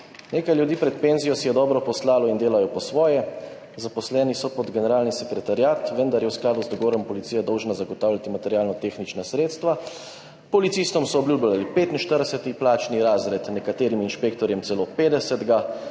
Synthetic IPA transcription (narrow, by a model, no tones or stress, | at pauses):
neːkajljud̪iːpɾɛt̪̚peːnzijɔsijɛd̪ɔːbɾɔpɔslaːlɔind̪eːlajɔpɔsʋɔːjɛ | zapɔslɛːnisɔpɔd̪ɡɛnɛɾaːlnisɛkɾɛt̪aɾjaːt̪ʋənd̪aɾjɛwsklaːd̪uzd̪ɔɡɔːɾɔmpɔlit̪siːjad̪ɔwʒnazaɡɔt̪aːwlʲjat̪imat̪ɛɾjaːlnɔt̪eːxnit͡ʃnasɾeːt̪st̪ʋa | pɔlit̪siːst̪ɔmsɔːblʲuːblalipeːt̪inʃt̪əɾd̪ɛsɛt̪iplaːt͡ʃniɾaːzɾɛt̪nɛkat̪eːɾiminʃpeːk̚t̪ɔɾjɛmtsɛloːpeːd̪ɛsɛd̪ɡa